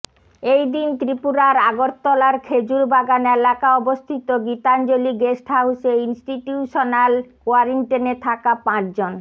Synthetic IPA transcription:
ejd̪int̪ɾipuɾaɾaɡoɾt̪ːɔlaɾkʰed͡ʑuɾbaɡanelakaɔbost̪ʰit̪oɡit̪and͡ʑoliɡesʈɦauseinsʈiʈuʃonalkoaɾiɳʈenet̪ʰakapãt͡ɕd͡ʑon

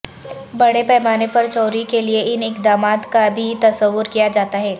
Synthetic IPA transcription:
bɐɽepɛːmaːnepɐɾt͡ʃɔːɾikelieʔɪnɪkd̪aːmaːt̪kabʱit̪ɐsəʋːʊɾkijad͡ʒaːt̪aɦɛː

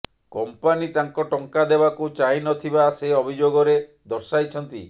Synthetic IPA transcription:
kɔmpanit̪aŋkɔʈɔŋkad̪ebakut͡ʃaɦinɔt̪ʰibaseɔbʱid͡ʒoɡɔɾe | d̪ɔɾsajt͡ʃʰɔnt̪ḭ

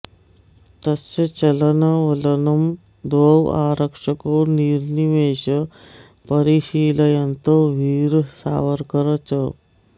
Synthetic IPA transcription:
t̪əst͡ɕət͡ɕɐlənaʋələnəm | d̪owa̰ɾəkʂəkoːɾniɾniʋeɕə | pəɾiɕiːləjənt̪oʋiːɾsa̰ʋəɾkəɾət͡sə

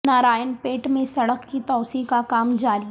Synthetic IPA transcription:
naːɾaːjənpeːʈmẽsɐɽəkːit̪ɔːsĩkakaːmd͡ʒaːɾi

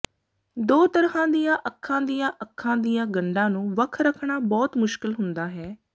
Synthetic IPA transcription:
d̪oːt̪əɾfãːd̪ijãːʔəkʰːãːd̪ijãːʔəkʰːãːd̪ijãːɡəɳɖãːnũːʋəkʰɾəkʰɳaːbɔːt̪mʊʃkɪlɦʊnd̪aːɦɛː

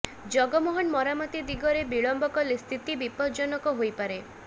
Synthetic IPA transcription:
d͡ʒɔɡɔmɔɦɔnmɔɾamɔt̪id̪iɡɔɾebiɭɔmbɔkɔlist̪ʰit̪ibipɔɾd͡ʒɔnɔkɔɦojpaɾe

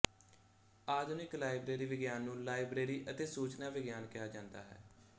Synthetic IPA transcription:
aːd̪ʊnɪklaːɪbɾeːɾiːʋɪɡjaːnːũːlaːɪbɾeːɾiːʔət̪eːsuːt͡ʃnãːʋɪɡjaːnkɪjaːd͡ʒãːnd̪a̰ːɦɛ̰ː

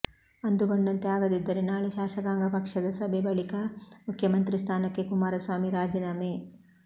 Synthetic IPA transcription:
ɐnd̪uɡoɳɖɐnt̪eaːɡɐd̪id̪ːɐɾenaːɭeʃaːʃɐɡaːŋɡɐpɐkʂɐd̪ɐsɐbʱebɐɭikɐmukʰjɐmɐnt̪ɾist̪ʰaːnɐkːekumaːɾɐsʋaːmiɾaːd͡ʒɐnaːme

